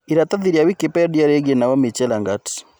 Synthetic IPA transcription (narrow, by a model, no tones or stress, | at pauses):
iɾataðiɾiawikipɛdiaɾeɡenawɔmet͡ʃɛlaŋɡati̥